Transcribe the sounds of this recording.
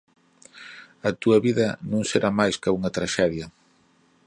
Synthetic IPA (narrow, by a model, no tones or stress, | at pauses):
ɐt̪uɐβiðɐnõŋseɾamajskauŋɐt̪ɾaʃɛðjɐ